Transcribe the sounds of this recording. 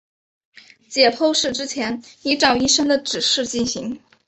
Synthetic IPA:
t͡ɕjɛ˨˩pʰo˥˧ʊʂɻ̩˥˩ʈ͡ʂɻ̩˥t͡ɕʰjɛ˧˥ni˧˥ʈ͡ʂɑ˥˩ʊi˥˧ʂə˥ŋd̪ə˨ʈ͡ʂɻ̩˨˩ʂɻ̩˥˧t͡ɕi˥˩nɕi˧˥ŋ

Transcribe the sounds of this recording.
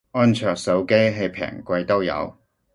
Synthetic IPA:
ɔː˥nt͡ʃʰœː˨˩k̚sɐ˨˥wke˥jɦe˨˧jpʰɛ̰ː˨˩ŋkʷɐ˧jt̪o˥wjɐ̰˨˧w

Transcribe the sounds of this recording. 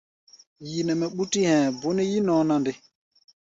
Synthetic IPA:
ji˨nɛ˨mɛ˨ɓu˦ti˦hɛ̃˨bu˦nɛ˦ji˦nɔ̃ː˨˦nã˦ndɪ˦

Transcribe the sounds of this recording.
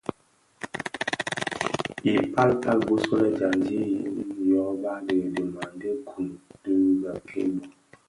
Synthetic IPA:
i˨pa˦lpa˦lbu˦so˦lɛ˦d͡ʒa˨nd͡ʒi˦jjɔ˨˦ba˦də˨də˨ma˨n˦də˦kʰu˨mdə˦ɡa˨kʰḛ˦bɔ˦

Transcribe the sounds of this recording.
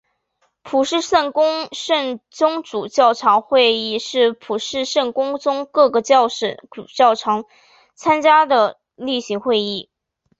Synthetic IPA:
pʰu˨˩ʂɻ̩˥˧ʂə˥˩nkʊ˥ŋʂə˥˩nt͡sʊ˥ŋʈ͡ʂu˨˩t͡ɕjɑ˥˩ʊʈ͡ʂʰɑ˧˥ŋxwe˥˧ɪi˥˧ʂɻ̩˥˩pʰu˨˩ʂɻ̩˥˧ʂə˥˩nkʊ˥ŋt͡sʊ˥ŋkɤ˥˩ɡə˩t͡ɕʂə˧˩u˨˩t͡ɕjɑ˥˩ʊʈ͡ʂʰɑ˧˥ŋ | t͡sʰa˥nt͡ɕja˥d̪ə˨ | li˥˩ɕi˧˥ŋxwe˥˧ɪi˥˩

